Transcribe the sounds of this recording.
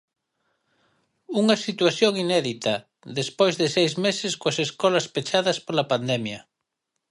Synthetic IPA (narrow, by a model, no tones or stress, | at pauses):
uŋɐsit̪waθjoŋinɛðit̪ɐ | ðespojzðɪsejzmesɪskoaseskɔlɐspet͡ʃaðɐspolapand̪ɛmjɐ